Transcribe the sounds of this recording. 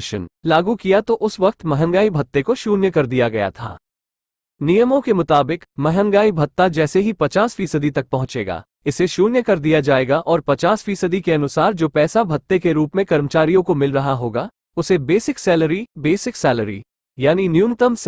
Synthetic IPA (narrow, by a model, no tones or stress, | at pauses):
ʃə̰nlaːɡukijat̪oʔʊsʋɐq̚t̪mɛɦənɡaːibʱɐt̪ːekoʃuːnjəkɐɾd̪ijaɡɐja̰t̪ʰa̰ː | nijəmõkemʊt̪aːbɪkmɛɦənɡaːibʱɐt̪ːad͡ʒɛːseɦipɐt͡ʃaːsfiːsəd̪it̪ɐk̚pɐɦʊ̃t͡ʃḛːɡa̰ː | ɪseʃuːnjəkɐɾd̪ijad͡ʒaːeːɡaʔɔːɾpɐt͡ʃaːsfiːsəd̪ikeɐnʊsaːɾd͡ʒoːpɛːsabʱɐt̪ːekeɾuːpmẽkɐɾmət͡ʃaːɾijõkomɪlɾɐɦaɦoːɡa | ʊsebeːsɪksɛːləɾibeːsɪksɛːləɾḭ | jaːninjuːnɪt̪əms